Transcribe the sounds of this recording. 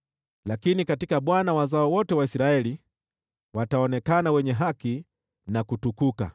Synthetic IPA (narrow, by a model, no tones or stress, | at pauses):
lakinikatikaɓwanawazaɔwɔtɛwaisɾaɛli | wataɔnɛkanawɛɲɛɦaki | nakutukuka̰